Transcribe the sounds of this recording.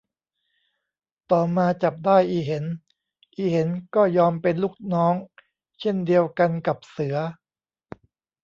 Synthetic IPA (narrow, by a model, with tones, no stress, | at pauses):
t̪ɔː˨˩maː˧t͡ɕa˨˩p̚daː˥˩jʔiː˨˩ɦe˩˦n | ʔiː˨˩he˩˦nkɔː˥˩jɔː˧mpe˧nluː˥˩k̚nɔː˦˥ŋ | t͡ɕʰe˥˩ndi˧əwka˧nka˨˩p̚sɯ˩˦ɐ